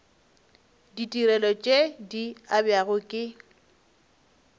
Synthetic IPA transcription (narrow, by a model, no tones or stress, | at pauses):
ditʼiɾɛlɔt͡ʃʼediabjaɣʊkʼɪ